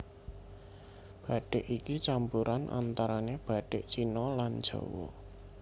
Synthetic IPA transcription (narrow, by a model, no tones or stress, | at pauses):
b̥ä̤ɖ̥eʔikit͡ʃampuɾanʔa̰nt̪aɾaneb̥a̤ɖ̥eʔt͡ʃinɔland̥ʒ̥o̰wɔ̰